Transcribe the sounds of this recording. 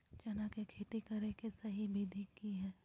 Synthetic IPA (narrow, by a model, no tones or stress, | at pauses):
t͡ʃɐnakekʰeːʈ̪ekɐɾekesɐɦibʱid̪ʱikːiɦɛː